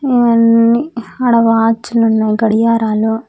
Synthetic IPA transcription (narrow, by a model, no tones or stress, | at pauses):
eʋɐnːiɐɽɐʋaːt͡ʃːulunːajɡɐɽijaːɾaːlo